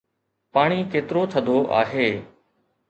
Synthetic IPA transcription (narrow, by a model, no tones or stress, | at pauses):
paːɽ̃iːkeːt̪ɪɾoːt̪ʰəd̪ʱoːʔa̰ːɦeː